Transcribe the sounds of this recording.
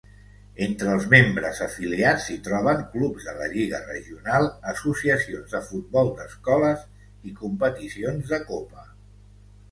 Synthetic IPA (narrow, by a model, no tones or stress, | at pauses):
ent̪ɾəːlˠzmembɾəzəfiliat͡ssit̪ɾɔβ̞əŋklubzðələ̰ʎiɣərə̰ʒiunalˠəsusiəsionzðəfud̪̚bɔlˠd̪əskɔləs | ikumpət̪isionzðəkopə